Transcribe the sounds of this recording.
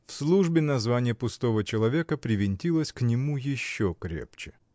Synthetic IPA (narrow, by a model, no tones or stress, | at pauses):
fslˠuʐbʲɪnɐzvanʲɪjəpʊst̪o̞vət͡ɕɪlˠɐvʲe̞kəpɾʲɪvʲɪnʲtʲilˠəsʲknʲɪmujɪɕːokɾʲḛpt͡ɕɪ̥